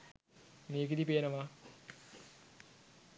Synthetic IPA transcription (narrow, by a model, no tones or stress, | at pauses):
meːkid̪ipeːnəʋa